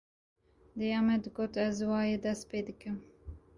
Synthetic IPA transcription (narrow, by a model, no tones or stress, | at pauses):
d̪ɨjɑːmɛd̪ɡoːt̪ɛzwɑːjed̪ɛst̪peːd̪ɨkɨm